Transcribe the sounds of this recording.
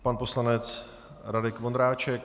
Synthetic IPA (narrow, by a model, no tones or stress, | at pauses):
panpo̞slanɛt͡s | ɾadɪkvond̪ɾaːt͡ʃɛk